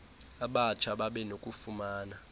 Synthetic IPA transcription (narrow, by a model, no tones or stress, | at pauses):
aɓat͡ʃʰaɓaɓɛnokʼufumaːna